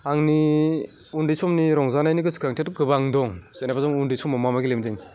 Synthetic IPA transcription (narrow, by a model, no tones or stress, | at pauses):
aŋni | undisɔmniɾɔŋzanajniɡɯskaŋtʰiatuɡɯbaŋdɔŋzenapʰazaŋundisɔmːamamaɡilemdiŋ